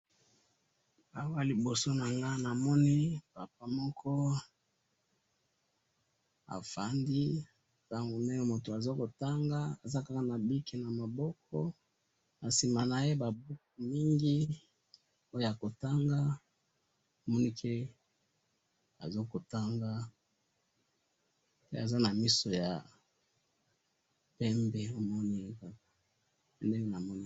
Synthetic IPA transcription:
a˨wa˦li˨bo˨so˦na˨ŋɡa˦na˨mɔ˦ni˦pa˨p̚a˦mɔ˦kʰɔ˦ | a̰˨fa˨ndi˦ | ta˦ŋɡo˨ne˦jɔ˦mo˨to˨a˨zo˦ko˨ta˦ŋɡa˦a˨za˦ka˦ka˨na˨bi˦ki˨na˨ma˨bɔ˦k̚ʰɔ˦ | na˨si˨ma˨na˨je˦ba˨bu˦k̚u˨mi˦ŋɡi˦ | o˦jo˦ja˨ko˨ta˦ŋɡa˦ | o˨mɔ˦ni˦kʰe˦ | a̰˨zo˦ko˨ta˦ŋɡa˦ | pe˦a˨za˦na˨mi˦so˨ja˨ | pɛ˦mbɛ˦o˦mɔ˦ni˦je˦ka˦k̚ḁ˨ | e˨nde˦ŋe˦na˨mɔ˦ni˦

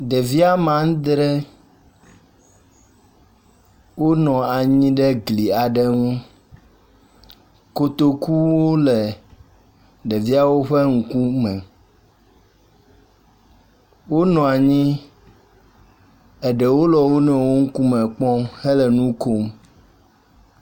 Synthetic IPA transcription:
ɖɛ˨vi˦a˦mã˨ŋ˦d̪ɾɛ˦ | wo˦nɔ̃˨a˨ɲĩ˦ɖɛ˦ɡli˨a˨ɖɛ˦ŋũ˦ | ko˦t̪o˦ku˦wo˦lɛ˨ | ɖɛ˨vi˦a˦wo˦ɸɛ˦ŋ̩˨ku˦mɛ̃˨ | wo˦nɔ̃˨a˨ɲĩ˦ | ɛ˨ɖɛ˨wo˦lɔ˨wo˦nɛ̃˨wo˦ŋ̩˦ku˦mɛ̃˨k͡pɔ̃˦mhɛ˦lɛ˨nũ˦ko˦m

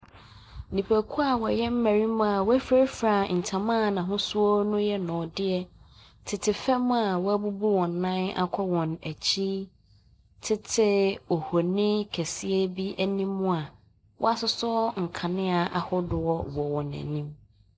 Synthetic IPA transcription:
nĩ˨pʰæ˨kʰu˦a˨wɔ˨jɛ˦m̩˦mæ˨ɾi˦mʊ̃˦a˨wæ˦fɾe˦ɾfɾa˨n̩˨tʰã˨mã˦˨nã˨ɦʊ̃˦sʊ˦ɔ˦nʊ̃˦jɛ˦nɔ̃˨dɪ˦ɛ˦ | tʰɪ˨tʰɪ˨fɛ˦m̃˦a˨wɔ˦æ˦bu˦bu˦wɔ̃˨nː˨ã˦na̰˦kʷʰɔ˦wɔ̃˨næ˨t͡ɕʰi˦ | tʰɪ˦tʰɪ˦o˨ho˨nɪ̃˦kʰæ˨si˦e˦bi˦ʔæ˨nĩ˦mːʊ̃˦a˨ | wʔɔ̰˦a˦sʊ˦sɔ˦ŋ̩˨kʰã˨nɪ̃˦a˨ʔa˨hʊ˦dʊ˨ɔ˦wɔ˨wɔ̃˨næ̰˨nĩ˦m

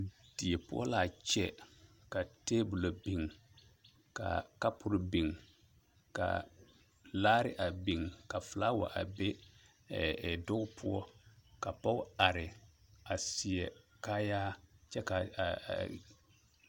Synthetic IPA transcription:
d̥i˨ɛ˨pʊ˦ɔ̰˦la˨t͡ʃɛ̰˦ | ka˨teː˦bu˨lo˨bi˨ŋ | ka̰˨ka˦pʊ˨ɾɪ˦bi˨ŋ | ka̰˨ | laː˦ɾɪ̰˦ʔa˨bi˨ŋka˨fɪ˨la˦wa̰˨ʔa̰˨be˦˨ | dʊ˦ɡʊ˦pʰʊ˦ɔ˦ka˨pɔ˦ʊ˦a˨ɾɪ˨a˨si˨ɛ˨ka˦jaː˦t͡ʃɛ˦ka˨

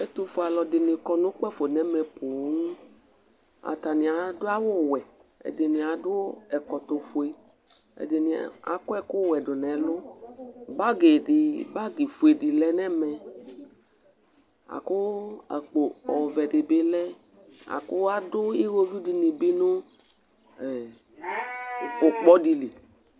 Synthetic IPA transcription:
ɛ˦t̪ʊ˧fo˨a˨lɔ˨dɪ˨nɪ˨kɔ˨nʊ̃˦k͡pɛ˦fo˨nɛ˦mɛ˨pʊ˨˦ŋu˦ | a̰˨ta˨nɪ˨a˨dʊ˦a˦wʊ˦˨wɛ˨ | ɛ̰˨dɪ˨nɪ̃˨a˨dʊ˦ɛ˨kɔ˨t̪ʊ˨fo˨e˨ | ɛ̰˨dɪ˨n˨a̰˨kʊ˦ɛ˦kʊ˦wɛ˨dʊ˨nɛ˨˦lʊ˦ | ba˦ɡe˨dɪ˨ba˦ɡi˨fu˨e˨di˨lɛ˦nɛ˦mɛ˨ | a̰˨kʊ˦a̰˨k͡po˨ɔ˨vɛ˨dɪ˨be˦lɛ˦ | a̰˨kʊ˦a˦dʊ˦i˦ɣo˦vi˦di˧˦ni˨be˦nʊ˦ | ɛ˨ | ʊ˨k͡pɔ˦di˧li˨

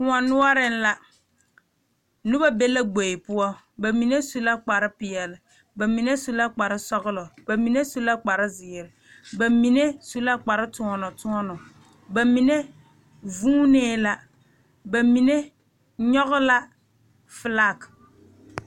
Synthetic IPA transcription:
kʊ˨a˨nʊ˦ɔ˦ɾɪ˦n˦la˦ | nu˦ba˦be˦la˦ɡ͡bo˨ɪ˨pʊ˦ɔ˦ | ba˨mi˨ne˦su˦la˦k͡pa˨ɾɪ˦pɪ˨ɛ˨lɪ˨ | ba˨mi˨ne˦su˦la˦k͡pa˨ɾɪ˦sɔ˦ɣʊ˦lɔ˨ba˨mi˨ne˦su˦la˦k͡pa˨ɾɪ˦zɪ˨ɾɪ˨ | ba˨mi˨ne˦su˦la˦k͡pa˨ɾɪ˦tʊ˨ɔ˨nɔ˨tʊ˦ɔ˦nɔ˨ | ba˨mi˨ne˦ | vuː˦neː˦la˦ | ba˨mi˨ne˦ | ɲɔ˦ɣʊ˦la˦ | fɨ˨la˦˨k

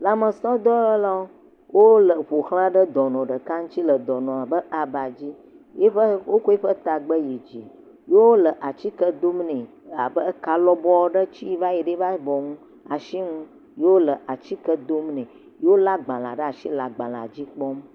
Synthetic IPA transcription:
la˨mə˨sɔ˦d̪ɔ˦la˦wo˦ | wʔo˦lə˨ɸo˨xl̃ã˦ɖə˦d̪ɔ˨nɔ̃˨ɖə˨ka˦ŋũ˦t͡ɕi˦lə˨d̪ɔ˨nɔ̃˨a˨bə˦a˨ba˨d͡ʑi˦ | e˦ɸə˦wo˦ko˦e˦ɸə˦t̪a˨ɡ͡bə˦je˨d͡ʑi˨ | je˦wo˦lə˨ʔa˨t͡ɕi˦kə˦d̪o˦mnẽ˨ | a˨bə˦ka˨lɔ˦bɔ˦wɖə˦t͡ɕi˦va˦je˨ɖe˦va˦bɔ˨ŋũ˦ | a˨ʃi˦ŋũ˦ | je˦wo˦lə˨ʔa˨t͡ɕi˦kə˦d̪o˦mnɛ̃˨ | je˦wo˦la˦ɡ͡bã˨la̰˨ɖə˦a˨ʃi˦la˨ɡ͡bã̰˨la̰˨d͡ʑi˦k͡pɔ˦m

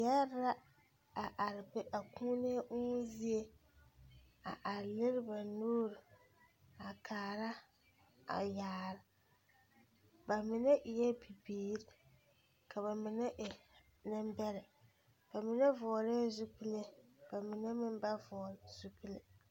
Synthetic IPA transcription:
ja˦ɾa˦ | a˨ʔa˨ɾɪ˨bɪ˦ʔa˨ku˦ne˦ʔʊ˦zi˦e˦ | a̰˨ʔa˨ɾlɪ˦ɾɪ˦ba˨noː˦ɾi˨ | a˨kʰaː˨ɾa˦ | a̰˨jaː˨ɾɪ˨ | ba˨mɪ˨nɛ˦ʔɪ˨jɛ˦bi˨biː˨ɾɪ˦ | kʰa˨βa˨mɪ˨nɛ˦ʔɪ˨ | nɪ˦m˦bɛ˦ɾɪ˨ | ba˨mɪ˨nɛ˦vɔː˨ɾe˦zu˦pi˦le˦b̥a˨mɪ˨nɛ˦mɪ˦m˦ba˦vɔː˨ɾz̥u˦pi˦lɪ˨

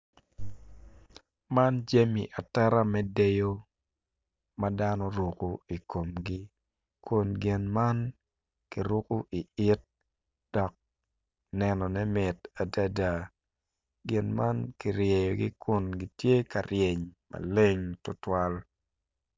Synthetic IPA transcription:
ma˦nd͡ʒe˦mḭ˨ʔa˨tɛ˦ɾa˦mɛ˦de˦jo˦ | ma˦da˦nɔ˦ɾu˨ku˦i˨ko˨mɡi˦ | kʰʊ˨nɡɪ˨nma˦n | ki˨ɾu˦ku˦ʔi˨ʔɪ˦t̚ | d̥ɔ˨k̚ | nɛnɔ˨nɛ˦mɪ˨ta˨da˦da˨ | ɡɪ˨nma˦nki˨ɾje˨jo˨ɡi˦kʊ˨nɡi˦tje˦ka˨ɾje˨ɲma̰˨le˦ŋtʊ˦twa˦l

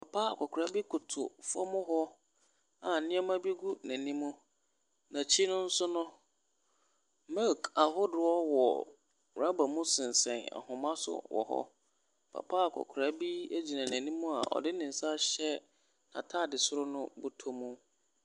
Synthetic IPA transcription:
pʰa˨pʰa˦a˨kʷʰɔ˨kʰʊ˨ɾa˦bi˦kʰʊ˨tʰʊ̰˨fɔ̰˦mʊ̃˦ɦɔ˦ | a˨nɪ̃˦ɛ˦mã˦bi˦ɡu˦nã˨nĩ˦mũ˦ | nã˨t͡ɕʰi˦nʊ̃˦n̩˦sʊ˦nʊ̃˦ | mɛ˦˨ka˨ɦʊ˦dʊ˨˦ɔ˦wɔ˨ | wɾa˦ba˨mʊ̃˦sɪ̃˨n˨sɛ̃˨na̰˨hʊ̃˨mã˦sʊ̰˦wɔ̰˨hɔ̰˦ | pʰa̰˨pʰaː˦a˨kʰɔ̰˨kʰʊ˨ɾa˦bi˦e˦d͡ʑi˨nã˨nã˨nĩ˦mũ˦a̰˨ʔɔ̰˨dɪ˦nɪ̃˨n̩˨sa˦ɕɛ˦ | nã̰˨tʰa˦˨dɪ˨sʊ˦ɾʊ˦nʊ̃˦bʊ˦tʰo˦mũ˦

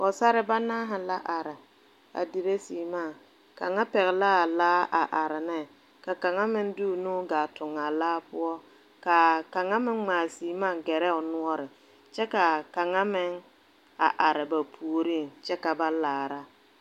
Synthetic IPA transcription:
ɔ˨sa˦ɾɪ˦ba˦naː˦ɦa˨la˦ʔa˨ɾɪ˨ | a̰˨di˨ɾe˦siː˨maː˦˨ | ka˨ŋa˦pɛ˨ɣɛ˨laː˦˨laː˦a˨ʔa˨ɾɪ˨nɛ˦ | ka˨ka˨ŋa˦mɪ˦ŋdu˦˨nuː˦ɡaː˨tʊ˨ŋa˨laː˦pʊ˦ɔ˦ | ka˨ka˨ŋa˦mɪ˦ŋŋ͡maː˨siː˨maː˦˨ɡɛ˨ɾɛ˦ʊ˨nʊ˦ɔ˦ɾɪ˨ | t͡ʃɛ˦ka˨ka˨ŋa˦mɪ˦ŋ | a̰˨ʔa˨ɾɪ˨ba˨pʰu˨ɾi˦˨ŋt͡ʃɛ˦ka˨ba˦laː˨ɾa˦

